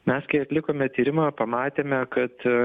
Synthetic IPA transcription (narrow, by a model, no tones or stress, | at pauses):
mʲɛskɐɪɐt̪ʲlʲɪkoːmʲɛt̪ʲiːɾʲɪmɐːpɐmɑːt̪ʲeːmʲɛkɐt̪